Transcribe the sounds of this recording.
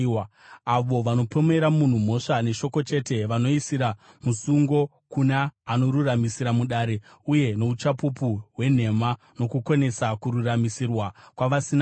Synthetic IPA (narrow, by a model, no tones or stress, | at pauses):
aʋo̞ʋano̞po̞me̞ɾamun̤um̤o̞ʂane̞ʃo̞ko̞t͡ʃe̞te̞ʋano̞isiɾa | musuŋɡo̞ | kunaːno̞ɾuramisiɾamuɗaːɾe̞ | uje̞no̞ut͡ʃapupuɦwe̞n̤e̞ma | no̞kukone̞sakuɾuramisirwakwaʋasin